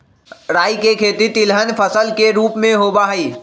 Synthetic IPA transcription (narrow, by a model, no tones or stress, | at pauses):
ɾaːikekʰeːt̪it̪ɪlɦənpʰəsəlkeɾuːpmẽɦoːbaɦəiː